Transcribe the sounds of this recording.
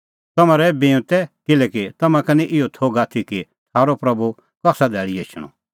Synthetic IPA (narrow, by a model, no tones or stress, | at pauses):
t̪ɐmãɾɛbẽːt̪ɛkɪlɛkit̪ɐmãkɐniʔɪɔt̪ʰoːɡaːt̪ʰiki | t̪ʰaːɾopɾɐbu | kɐksad̪ɛːɭieːt͡ʃʰɽ̃ɔ̰